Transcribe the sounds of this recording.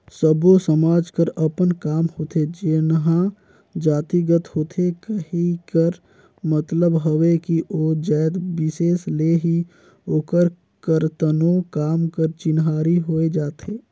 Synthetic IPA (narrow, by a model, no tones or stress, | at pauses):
səbosəmaːd͡ʒkəɾəpənkaːmhoːt̪ʰed͡ʒeːnəɦã | d͡ʒaːt̪iɡət̪hoːt̪ʰekəɦikəɾ | mət̪ləbɦəʋekiʔoːd͡ʒəːd̪bɪseːsleːɦi | oːkəɾ | kəɾt̪ənõkaːmkəɾt͡ʃɪnɦaːɾiɦoːed͡ʒaːt̪ʰeː